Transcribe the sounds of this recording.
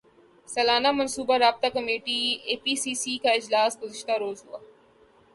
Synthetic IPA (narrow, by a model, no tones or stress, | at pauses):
sɐlaːnamɐnsuːbaɾaːb̚t̪akɐmeːʈieːpiːsiːsiːkaɪd͡ʒlaːsɡʊzɪʃt̪aɾoːzɦʊaː